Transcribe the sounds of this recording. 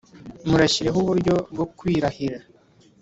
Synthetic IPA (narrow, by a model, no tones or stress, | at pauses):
muɾeɕiɾe̞ɦuβuɾɟo̞b̚ɡo̞kwiːɾahiɾa